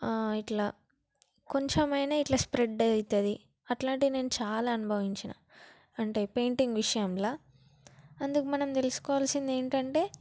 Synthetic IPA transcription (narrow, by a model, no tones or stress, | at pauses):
iʈlaː | ko̞ɲt͡ʃɐmɐjnaːiʈlaːspɾeɖɐjt̪ɐd̪i | ɐʈlaːɳʈid̪ine̞ːnut͡ʃaːlaːɐnubʱɐʋiɲt͡ʃina̰ː | ɐɳʈeːpe̞ːɳʈiŋɡʋiʂɐjɐmlaː | ɐnd̪ukɐmɐnɐmt̪elusu̥kɔːʋaːlsind̪e̞ːɳʈɐɳʈe̞ː